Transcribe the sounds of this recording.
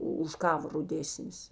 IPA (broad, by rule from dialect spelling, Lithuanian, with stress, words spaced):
ˈʊ ʊʃ ˈkɑːʋɐ rʊˈdʲeːsʲnʲɪs